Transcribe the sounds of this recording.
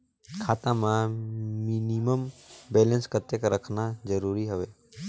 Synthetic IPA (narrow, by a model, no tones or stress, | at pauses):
kʰaːt̪ãmãminiməmbeːlə̃nskət̪jekɾəkʰnad͡ʒəɾuːɾiɦəʋe